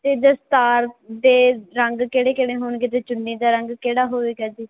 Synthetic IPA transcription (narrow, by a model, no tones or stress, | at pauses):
t̪eːd̪əst̪aːɾd̪eːɾəŋɡkeːɽeːkeːɽeːɦoːɳɡeːt̪eːt͡ʃʊnːiːd̪aːɾəŋɡkeːɽaːɦoːʋeːkɛːd͡ʒ̪iː